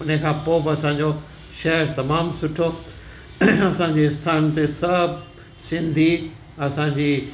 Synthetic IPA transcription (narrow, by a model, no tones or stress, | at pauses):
ʊnẽkʰãːpoːbɪɐsãːɲ̆d͡ʑo | ʃɐɦəɾt̪ɐmaːmsʊʈʰo | ɐsãɲd͡ʑeɪst̪ʰaːnt̪esɐbʱ | sɪ̃nd̪ʱi | ɐsãɲd͡ʑiː